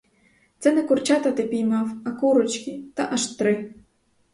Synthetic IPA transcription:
t̪sɛnɛkʊrt͡ʃat̪ɐt̪ɪpʲijmɑwɐkuɾɔt͡ʃkʲit̪aʔaʃt̪ɾɪ

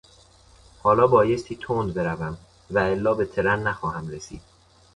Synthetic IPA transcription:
hɒːlɒːbɒːje̞st̪ʰiːt̪ʰoːnd̪be̞ɾævæm | væelːɒːbe̞t̪ʰe̞ɾænːæxɒːhæmɾesḭːd̪̥̚

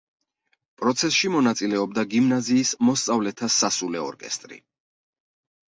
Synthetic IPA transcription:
pʼɾɔt̪sʰɛsʃimɔnat̪sʼilɛɔb̚d̪aɡimnaziːsmɔst̪sʼavlɛt̪ʰasasulɛɔ̰ɾkʼɛ̰st̪ʼɾḭ

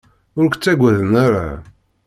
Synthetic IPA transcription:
ʊɾkʷt͡sːæɡʷæðnaɾa̰

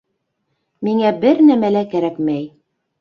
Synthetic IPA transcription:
miŋæbɘɾnæmælækæɾækmæj

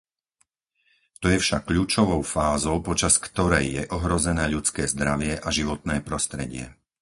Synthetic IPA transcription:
t̪ɔjɛfʃakːʎuːt͡ʃɔʋɔʊfaːzɔʊpɔt͡ʃaskt̪ɔɾɛjːjɛʔɔɦɾɔzɛnɛːʎut͡skɛːzd̪ɾaʋɪɛʔaʒiʋɔt̪nɛːpɾɔst̪ɾɛɟɪɛ̰

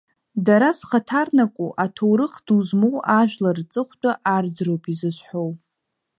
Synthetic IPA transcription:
daɾasχatʰarnakʷʼuʔatʰowɾɨχd̥uzmowʔaʒᶣʷlart͡sʼɨχʷtʼaʔard͡zrowpʰizɨʃħow

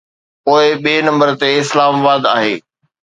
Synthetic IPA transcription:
poːɪɓiːnɐ̃mbəɾt̪eɪslaːmabaːd̪aːɦeː

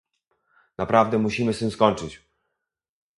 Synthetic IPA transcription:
napɾavd̪ɛmuɕimɘst̪ɘmskɔɲt͡ʂɘt͡ɕ

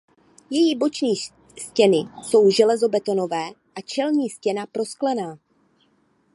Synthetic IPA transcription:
jɛjibo̞t͡ʃniː | scɛnɪso̞wʒɛlɛzo̞bɛt̪o̞no̞vɛː | ʔat͡ʃɛlɲiːscɛnapɾo̞sklɛnaː

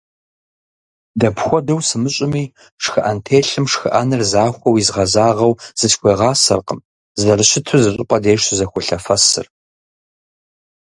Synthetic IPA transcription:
dɐpxʷɔdɐwsɨmɨɕʼɪmiː | ʂxɨʔɐntʰeːɬɨmʂxɨ̰ʔɐnɨrzaːxʷɔwizʁɐzaːʁɐwz̥ɨt͡ʃʰkʷeːʁɑːsɐ̰rqəm | zɐrɨɕɪtʰɨzɨɕʼʊqʷʼɐdeːʂtʰzɐxʷʊɬɐfɐsɨ̰r

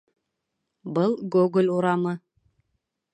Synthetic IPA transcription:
bɤlˠɡuɡɘ̆lʲuɾɑmɤ

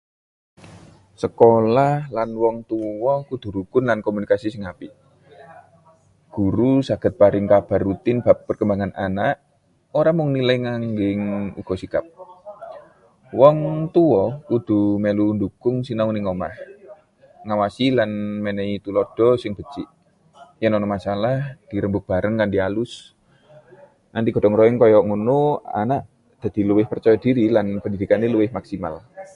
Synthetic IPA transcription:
səkolahlanwɔŋt̪uwɔkud̪̥ṳɾuɡ̥ʊnlankomunikasisɪŋapi | ɡ̥uɾusaɡ̥ə̤t̪̚paɾɪŋkab̥a̤rːut̪ɪnb̥a̤pːərkəmbaŋana̰naʔ | oɾamʊŋniləjŋaŋɡɪŋṵɡ̥ɔ̤sikap̚ | wɔŋt̪uwɔud̪̥ṳmelundukʊŋsinauniŋɔma̰h | ŋawasilanmenɛit̪ulɔd̥ɔsɪŋb̥ət͡ʃiʔ | janɔnɔmasalahd̥iɾəmbʊk̚b̥aɾəŋkandialʊs | nant̪iɡ̥ɔ̤dɔŋɾɔɪŋkɔjɔʔŋunua̰naʔ | d̪̥a̤d̪̥i̤luwɪhpərt͡ʃɔjɔdiɾilanpəndidikanːiluwɪhmaksima̰l

